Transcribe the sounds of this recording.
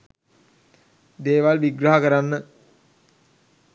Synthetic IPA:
d̪eːʋalʋiɡɾəɦakəɾanːə

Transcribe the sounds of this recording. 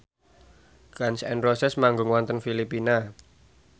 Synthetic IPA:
ɡansɛ̰nrosɛsmaŋɡʊŋwɔnt̪ənfilipina

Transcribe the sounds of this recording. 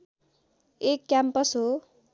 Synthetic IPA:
ekːjampʌsɦo

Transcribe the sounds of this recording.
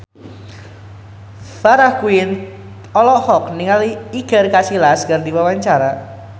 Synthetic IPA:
faɾahkuin | ɔlɔhɔkniŋaliiɡ̥ə̤rkasilaskardiwawaɲt͡ʃaɾa

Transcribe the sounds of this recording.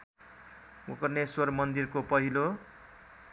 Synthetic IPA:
mukʌrneswʌrmʌnd̪irkopʌɦilo

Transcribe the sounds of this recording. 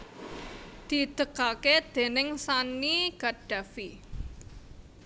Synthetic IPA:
d̪̥i̤d̪̥əkaked̪̥e̤nɪŋsaniɡ̥aɖ̥ä̤fi

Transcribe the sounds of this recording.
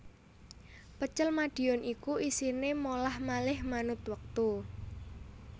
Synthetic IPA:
pət͡ʃəlmaɖ̥i̤ɔnʔikuisinemolahmalɪhmanʊt̪wək̚t̪u

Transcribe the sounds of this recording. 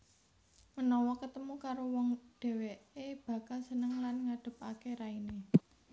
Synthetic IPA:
mənɔwɔkət̪əmukaɾowɔŋɖ̥ɛ̤weeb̥ä̤kalsənəŋlanŋaɖ̥ə̤p̚akeɾaine

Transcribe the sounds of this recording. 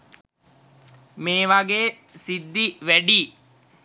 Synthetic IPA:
meːʋaɡeː | sid̪ːiʋæɖiː

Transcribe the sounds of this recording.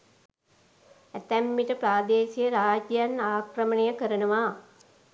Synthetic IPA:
æt̪æmːiʈəpɾaːd̪eːsijəɾaːd͡ʒjanaːkrəmənejəkəɾənəʋa

